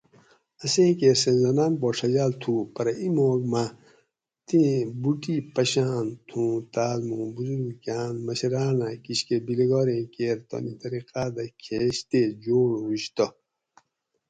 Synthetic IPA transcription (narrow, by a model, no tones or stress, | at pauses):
ɐsẽːkeːɾsẽnzɐnaːnpɔːʂɐd͡ʑaːlt̪ʰupɐɾɐimoːɡma | t̪ĩbuʈipɐɕaːnt̪ʰũːt̪aːlmũːbuzuɾukaːnmɐɕɐɾaːnakiɕkebileɡɔːɾẽːkeːɾt̪o̰nit̪ɐɾiqaːd̪ɐkʰeːɕt̪eːd͡ʑoːɽiɕt̪o